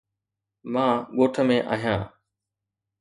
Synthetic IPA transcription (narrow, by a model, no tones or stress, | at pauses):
mãːɠoːʈʰəmẽːʔa̰ːɦijãː